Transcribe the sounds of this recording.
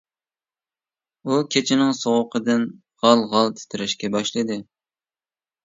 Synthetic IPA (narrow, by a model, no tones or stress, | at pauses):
ukʲʰet͡ʃʰɪnɪŋsoʁʊqʰəd̪ɨn | ʁɑlˠʁɑlˠt̪ʰɪ̥t̪ʰɪɾɪʃkʲɛbɑʃlˠɨd̪ɨ